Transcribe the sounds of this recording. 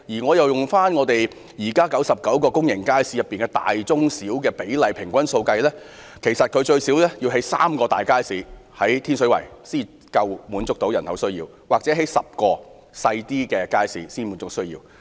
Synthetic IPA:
jiː˨˩ŋɔː˨˧jɐ˨˩wjʊ˨˩ŋfaː˥nŋɔ˨˧t̪e˨j | jiː˨˩kaː˥kɐ˨˥wsɐ˨p̚kɐ˨˥wkɔː˧kʊ˥ŋjɪ˨˩ŋkaː˥jsiː˧jɐ˨˩pːiː˨nkɛ˧t̪a̰ː˨jt͡sʊ˥ŋsiː˨˥wkɛː˧pe˨˥jlɐ˨˧jpʰɪ˨˩ŋkʷɐ˥nso˧wkɐ˧jlɛː˥ | kʰe˨˩jsɐ˨t̚kʰɵ˨˧ɥt͡ʃɵ˧ɥsi˨˥wlɛː˥jiː˧wɦe˨˥jsa̰ː˥mkɔː˧t̪a̰ː˨jkaː˥jsiː˨˧hɐ˨˥jt̪ʰiː˥nsɵ˨˥ɥwɐ̰˨˩jsiː˥ | kɐ˧wmuː˨˥nt͡sʊ˥k̚t̪o˨˥wjɐ˨˩nhɐ̰˨˥wsɵ˥ɥjḭː˧w | waː˨k̚t͡sɛ˨˥ɦe˨˥jsɐ˨p̚kɔː˧ | sɐ˧jt̪iː˥kɛː˧kaː˥jsiː˨˧siː˥nmu˨˥nt͡sʊ˥k̚sɵ˥ɥjḭː˧w

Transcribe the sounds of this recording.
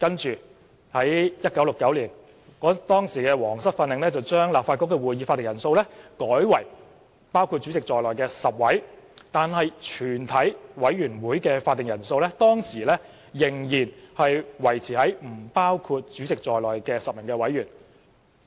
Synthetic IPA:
kɐ˥nt͡ʃyː˨˩ | hɐ˨˥jjɐ˥t̚kɐ˨˥wlo˨˩kːɐ˨˥wliː˨˩n | kɔː˨˥t̪ɔː˥ŋsiː˨˩kɛː˧wɔː˨˩ŋsɐ˥t̚fɐ˧nːɪ˨ŋlɛː˥t͡sɐ˨wt͡ʃœː˥ŋlaː˨p̚faː˧t̚kːɔː˧˥kːɛː˧wuː˨˩jiː˨˧faː˧t̪ːɪ˨˩ŋjɐ˨˩nso˧wlɛ˥kɔː˨˥jwɐ˨˩j | paː˥wkʰuː˧t̚t͡ʃyː˨˥t͡sɪ˨k̚t͡sɔː˨jlɔː˨˩jkɛː˧sɐ˨p̚wɐ˨˥jt̪aː˨nhɐ˨jt͡ʃʰyː˨˩nt̪ʰɐ˨˥jwɐ˨˥jɥyː˨˩nwuː˨˥jkɛː˧faː˧t̪̚ːɪ˨ŋjɐ˨˩nso˧wlɛː˥t̪ɔː˥ŋsiː˨˩lɛ˥ | jɪ˨˩ŋjiː˨˩nhɐ˨jwɐ˨˩jt͡sʰiː˨˩hɐ˨˥jm̩˨˩paː˥wkʰuː˧t̚t͡ʃyː˨˥t͡sɪ˨k̚t͡ʃt͡sɔː˨˩jlɔː˨˩jkɛː˧sɐ˨p̚mɪ˨˩ŋkɛː˧wɐ˨˥jyː˨˩n

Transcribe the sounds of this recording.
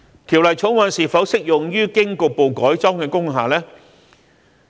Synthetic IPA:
k̪ʰi˨˩wlɐ˨˩jt͡sʰʊ˨˥wwɐ˨˧nsiː˨˩fɐ˨˥wsɪ˥k̚jʊ˨ŋjyː˥kɪ˥ŋkʊ˧k̚po˨wkɔː˨˥jt͡sɔː˥ŋkɛː˧kʊ˥ŋɦaː˨lɛː˥

